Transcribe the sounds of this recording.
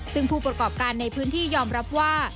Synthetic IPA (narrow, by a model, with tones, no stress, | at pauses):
sɯ˥˩ŋpʰuː˥˩pɾa˧kɔː˨˩p̚kaː˧nːa˧jpʰɯː˦˥nt̪ʰiː˥˩jɔː˧mɾa˦˥p̚waː˥˩